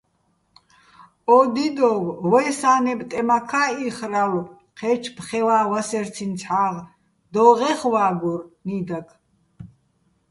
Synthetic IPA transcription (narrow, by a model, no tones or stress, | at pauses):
ɔd̪id̪ɔwwɛsaːnɛbt̪ʼɛmakʰaːiχraw | qʰɛt͡ʃʰpχɛwaːwasɛɾt͡sʰint͡sʰħaːʁ | d̪ɔʁɛχwaːɡurnid̪akʰ